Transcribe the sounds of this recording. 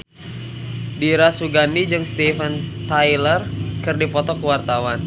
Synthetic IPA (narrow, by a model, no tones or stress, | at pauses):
diɾasuɡanid͡ʒɨŋst̪ifənt̪ajlərkɨrdipɔt̪ɔkəwart̪awan